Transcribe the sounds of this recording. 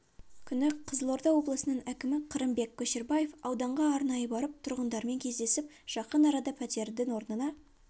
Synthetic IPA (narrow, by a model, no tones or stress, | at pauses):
kʲʰʏnɪqʰəzəlˠo̞ɾd̪ɑwo̞blˠəsənəɴækʲɪmɪqʰəɾəmbe̞kʲʰːɵʃe̞ɾbaje̞fɑwd̪ɑɴʁɑːɾnɑjəbɑɾəp̚t̪ʰʊɾʁənd̪ɑɾme̞ŋkʲʰe̞zd̪e̞sɪp̚ | ʒ̥ɑqənɑɾɑd̪ɑpʰæt̪e̞ɾd̪ɪŋwo̞ɾnənɑ